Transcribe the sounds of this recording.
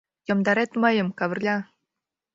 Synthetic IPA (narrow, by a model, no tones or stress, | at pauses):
jɤ̆md̪ɑɾet̪məjə̆mkɑβə̆rlʲɑ